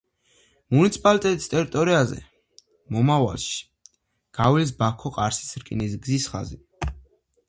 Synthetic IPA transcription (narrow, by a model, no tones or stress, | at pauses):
munit̪sʰi̥pʼalit̪ʼɛt̪ʼi̥st̪ʼɛɾit̪ʼɔɾiazɛ̰ | mɔmava̰lˠʃi̥ | ɡ̥avilis̬bakʰɔqʼaɾsi̥sɾkʼinis̬ɡzisχa̰zi